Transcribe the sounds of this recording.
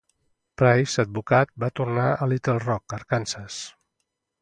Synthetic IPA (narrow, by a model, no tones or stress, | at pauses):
pɾajsəd̪̚bukat̪̚bat̪urnaʔəlit̪elˠrɔkəɾkansəs